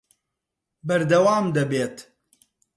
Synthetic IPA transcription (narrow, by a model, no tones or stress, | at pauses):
bɐɾd̪ɐwaːmd̪ɐbeːt̪